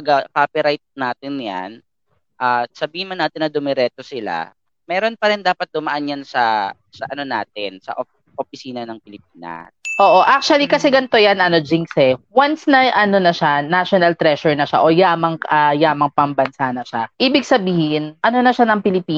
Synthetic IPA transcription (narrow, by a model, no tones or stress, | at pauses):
ɐɡɐkaːpɪɾajt̪̚naːt̪ɪnja̰n | ʔasɐbiːhɪnmɐnːaːt̪ɪnːɐd̪ʊmɛɾɛt̪osɪla̰ | mɛːɾo̞npɐɾɪnd̪aːpɐt̪̚d̪ʊmɐʔanjansɐ | sɐʔɐno̞na̰ːt̪̚ɪnsɐ̰ʔ | ʔopɪsiːnɐnɐŋpɪlɪp̚iːnɐ̰sʔo̞ːʔo̞ʔak̚t͡ʃuɐlikɐsɛɡɐnt̪o̞janʔɐno̞d͡ʒɪŋsɛwansnɐʔɐno̞nɐʃanaʃonɐlt̪ɾɛʃɛɹnɐʃa̰ʔo̞jaːmɐŋʔɐjaːmɐŋpɐmbɐnsanɐʃaʔiːbɪɡ̚sɐbiːhɪnʔɐno̞nɐʃanɐŋpɪlɪpiː